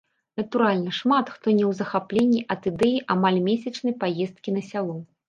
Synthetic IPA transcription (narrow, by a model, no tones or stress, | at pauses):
nɐt̪uɾalʲnɐʂmat̪xt̪ɔnʲɛwzɐxaplʲenʲːiʔɐt̪ɨd̪ɛjiʔamalʲmʲesʲɐt͡ʂnɐjpajɛst̪kʲinɐsʲalˠɔ